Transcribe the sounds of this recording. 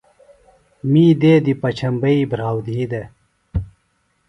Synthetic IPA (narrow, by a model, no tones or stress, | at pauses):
miːd̪eːd̪ipɐt͡ɕʰɐmbɐibɾaːwd̪iːd̪e